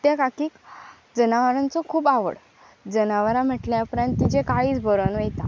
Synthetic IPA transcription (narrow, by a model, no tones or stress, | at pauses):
t̪jakakiːk | d͡zənaʋəɾãnt͡sɔkʰuːbaʋə̰ɽ | d͡zənaʋəɾam̤əʈljaupɾãnt̪ːid͡ʑekaɦiːt͡sbʱəɾənʋet̪a̰